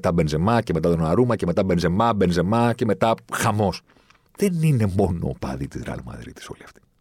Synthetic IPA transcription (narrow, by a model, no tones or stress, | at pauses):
t̪ɐbe̞nze̞mɐce̞me̞t̪ɐt̪onɐɾumɐce̞me̞t̪ɐbe̞nze̞mɐbe̞nze̞mɐce̞me̞t̪ɐxɐmo̞s | ðe̞nine̞mo̞no̞̰ːpɐ̰ðit̪izɾɐ̰lmɐ̰ðɾḭt̪i̥so̞liɐft̪i̥